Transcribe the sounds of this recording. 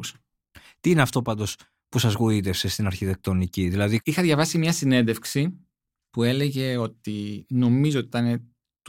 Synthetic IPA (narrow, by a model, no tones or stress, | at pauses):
s | t̪iineɐft̪o̞pɐnd̪o̞s | pusɐzɣuit̪̬e̞fse̞st̪inɐɾçit̪e̞k̚t̪o̞niciðilɐðiixɐðʝɐvɐsimɲɐsine̞nd̪efksi | pue̞le̞ʝe̞o̞t̪ino̞mizoot̪it̪ɐne̞ | t̪